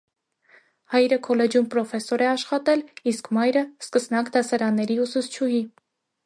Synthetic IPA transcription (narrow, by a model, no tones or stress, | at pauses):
hɑjɾəkʰɔlɛd͡ʒjumpɾɔfɛsɔɾɛɑʃχɑt̪ɛliskmɑjɾəskəsnɑkd̪ɑsɑɾɑnːɛɾiusut͡sʰt͡ʃʰuɦi